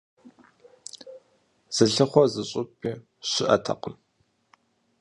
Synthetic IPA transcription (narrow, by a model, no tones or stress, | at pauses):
z̥ɨɬɨχʷɔzɨɕʼʊpʰʼiː | ɕɪʔɐ̰tʰɐ̰qəm